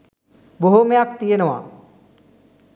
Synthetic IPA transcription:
boɦomejakt̪ijenəʋa̰

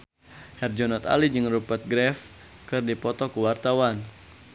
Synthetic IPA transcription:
hɛrd͡ʒɔnɔt̪a̰lid͡ʒɨŋrupət̪̚ɡɾɛf | kɨrdipɔt̪ɔkuwart̪awan

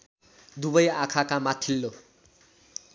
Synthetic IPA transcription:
d̪ubʌjakʰakamat̪ʰilːo

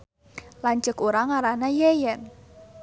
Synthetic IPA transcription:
laɲt͡ʃəkuɾaŋaɾanajejɛn

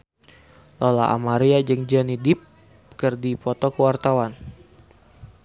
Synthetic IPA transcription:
lɔla̰ʔa̰maɾiad͡ʒɨŋd͡ʒɔnidɪp̚ | kərdipɔt̪ɔkəwart̪awan

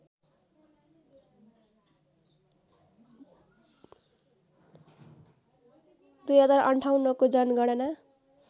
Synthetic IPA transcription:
d̪ujɦʌd͡zarʌ̰ɳʈʰawnːʌkod͡zʌnɡʌɽ̃ʌna

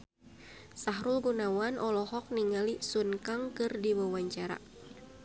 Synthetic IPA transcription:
saɦɾulɡunawanʔɔlɔhɔk̚niŋalisunkaŋkɨrdiwawaɲt͡ʃaɾa̰

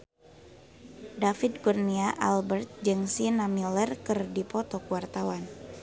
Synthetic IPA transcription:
dafid̪̚ɡurniaʔalbərt̪̚d͡ʒɨŋsinamilərkɨrdipɔt̪ɔkuwart̪awan

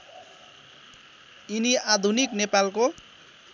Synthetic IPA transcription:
iniad̪ʱuniknepalko

